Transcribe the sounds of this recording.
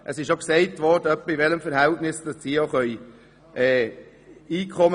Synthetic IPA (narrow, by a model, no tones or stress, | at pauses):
ʔəsɪʃjoksɛɪtʋɔɾdəœpːivɛləmfəɾhæltnɪsd̥ɑssijoχœʏ | ʔɛː | iːkʰχɔm